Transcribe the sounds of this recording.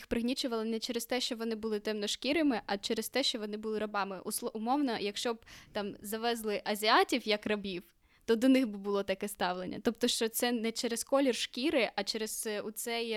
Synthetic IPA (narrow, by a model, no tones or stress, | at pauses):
xpɾɪɦnʲit͡ʃʊʋɐlˠɪnɛt͡ʃɛɾɪst̪ɛʃt͡ʃɔʋɔnɪbʊlˠɪt̪ɛmnɔʃkʲiɾɪmɪʔɐt͡ʃɛɾɪst̪ɛʃt͡ʃɔʋɔnɪbʊlˠɪɾɐbɑmɪʔusˠʊmɔwnɔjɐkʃt͡ʃɔb̚t̪ɑmzɐʋɛzlˠɪʔɐzʲiɑtʲiwjɐkrɐbʲiw | t̪ɔd̪ɔnɪxbɪbʊlˠɔt̪ɐkɛst̪ɑwlˠenʲːɐ̰t̪ɔp̚t̪ɔʃt͡ʃɔt̪sɛnɛt͡ʃɛɾeskɔlʲirʃkʲiɾɪʔɐt͡ʃɛɾɪz̥ut̪sɛj